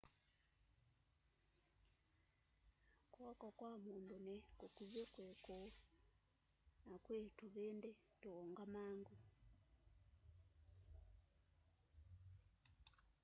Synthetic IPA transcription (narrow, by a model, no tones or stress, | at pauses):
kwokakwamuːndonekokuβekweko | nakwetuβeːnde | toŋɡamaːŋɡu